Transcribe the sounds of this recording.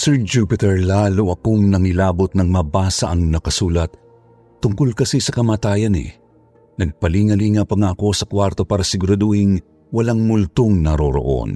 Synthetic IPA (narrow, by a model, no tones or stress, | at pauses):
sɛɹd͡ʒupɪt̪ɛɹlaːloʔɐkoŋnɐŋɪlaːbot̪̚nɐŋmɐbaːsɐʔɐŋnɐkɐsuːlɐt̪̚ː | ʊŋkolkɐsisɐkɐmaːt̪aːjɐnɪ̰ | nɐɡ̚pɐliŋɐliŋapɐŋaʔɐko̞sɐkwaɾt̪o̞paːɾɐsɪɡʊɾad̪ohiŋ | wɐlaŋmʊlt̪oŋnɐɾoɾo̞̰ʔo̞̰n